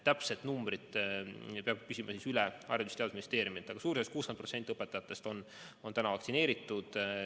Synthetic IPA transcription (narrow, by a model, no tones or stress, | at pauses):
t̪æpse̞t̪numbrid̪ | peɑɡ̪̚pysʲimʔɑsiːsylɛɑ̰ɾrjɑt̪ust̪eɑd̪usminist̪eːɾjumit̪ːˑɑɡɑsuːɾisest̪kuːskeprose̞nt̪iɤpːet̪ːˑɑjɑt̪ːˑe̞st̪o̞n | o̞nt̪ænɑvɑk̪̚sine̞ːɾit̪ːˑud̪̥